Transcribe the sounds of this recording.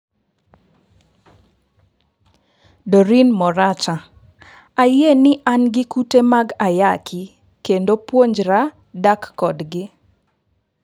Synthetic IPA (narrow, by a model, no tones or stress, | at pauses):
doɾinmɔɾat͡ʃa | ajenɪʔanɡɪkutemaɡajakʰɪ | kendopwoɲd͡ʒɾa | dakːɔdɡɪ